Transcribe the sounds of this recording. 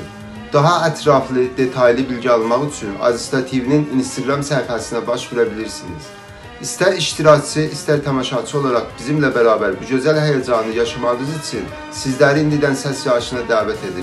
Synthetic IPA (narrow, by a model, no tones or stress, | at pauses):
d̪̥ɑɦɑæt̪ʰɾɑflˠɯd̪e̞t̪ʰɑjlˠibilɟiɑlˠmɑʁyt͡ʃʰynɑ̰zist̪ɑt̪ʰivinininst̪ʰiɡɾɑmsæhifæsinæbɑʃveɾæbiliɾsinḭz̥ | ist̪æɾiʃt̪ʰiɾɑct͡ʃʰɯʔist̪æɾt̪ʰɑmɑʃɑt͡ʃʰɯo̞lˠɑɾɑχbizimlæbæɾɑːbæɾbuɟø̞zælɦæjæd͡ʒɑnɯjɑʃɑmɑnɯzit͡ʃʰyn | sizlæɾiind̪id̪ænsæsjɑʃɯnɑd̪æːvæt̪ʰe̞d̪iɾ